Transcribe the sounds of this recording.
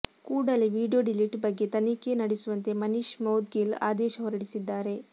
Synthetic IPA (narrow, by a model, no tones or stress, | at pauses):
kuːɽɐliʋiːɖijoɖiliʈbɐɡːe̞t̪ɐnikenɐɽesuʋɐnt̪e̞mɐniʃmɐwd̪ɡila̰ːd̪ɛːʃɐʋɐɾɐɽisid̪ːaːɾe̞